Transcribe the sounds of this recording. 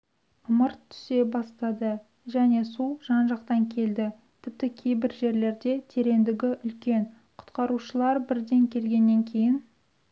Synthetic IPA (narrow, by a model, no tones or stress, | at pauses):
əməɾt̪ʰːʏ̥se̞bɑst̪ɑd̪ə | ʒæne̞suʒ̥ɑnʒɑqt̪ɑŋkʲʰe̞ld̪ɪ | t̪ʰɪp̚t̪ɪkʲʰe̞jbɪɾʒe̞ɾle̞ɾd̪e̞t̪ʰe̞ɾe̞nd̪ɪɡʲɪʔʏlkʲe̞n | qʰʊ̥t̪qɑɾuʃəlˠɑɾbɪɾd̪e̞ŋkʲʰe̞lɡʲe̞nːe̞ŋkʲʰe̞jɪn